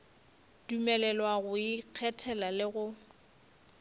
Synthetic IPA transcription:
dumɛlɛlwaɣʊiq͡χʰɛtʰɛlalɪɣʊ

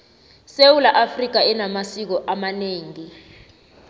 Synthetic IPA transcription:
sewulaʔafrik̬aɛnamasik̬ɔʔamaneːŋi

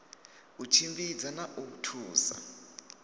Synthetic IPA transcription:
ut͡ʃʰimbʼid͡zanaʔoutʰuːsa̰

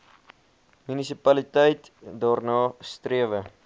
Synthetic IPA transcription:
mynisipɐlitəjt | dɑːrnɑːst̪riəvə

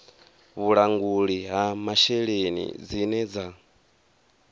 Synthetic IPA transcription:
βuɺaŋɡuɺiɦamaʃɛɺenḭd͡zinɛd͡za

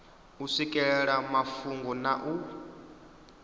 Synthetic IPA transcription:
usikʼɛɺɛɺamafuŋɡɔnaʔu

